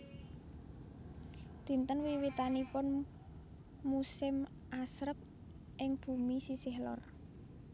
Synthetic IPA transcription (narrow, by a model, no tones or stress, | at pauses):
d̪̥i̤nt̪ənwiwit̪anipʊn | musɪm | ʔasɾəp̚ | ʔɪŋb̥ṳmisisɪhlɔ̰r